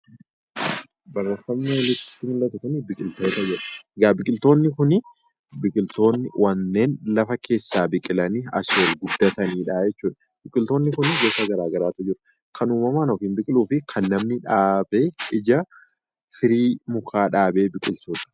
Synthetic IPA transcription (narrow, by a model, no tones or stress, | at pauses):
bɐrːɐfɐmneːlɪt̪ːt̪ːɪmɪlːɐt̪ʊkʊnɪbɪkʼɪlt̪o̞ːt̪ɐd͡ʒɛᶑɐ̥ɡabɪkʼɪlt̪o̞ːnːɪkʊnɪ | bɪkʼɪlt̪o̞ːnːɪwɐnːeːnlɐfɐkʰe̞ːsːaːbɪkʼɪlɐniɐ̰swɐlɡʊd̪ːɐt̪ɐniːᶑaːd͡ʒɛt͡ʃːuːᶑɐ̥ | bɪkʼɪlt̪oːnːɪkʊnɪɡeːsɐɡɐɾaːɡɐɾaːt̪ʊd͡ʒɪɾʊ | kʰɐnuːmɐmaːnɔfɪnbɪkʼɪluːfɪkʰɐnːɐmnɪᶑaːbe̞ːɪd͡ʒɐ | fɪɾiːmʊkʰaːᶑaːbe̞ːbɪkʼɪlt̪uːᶑɐ̥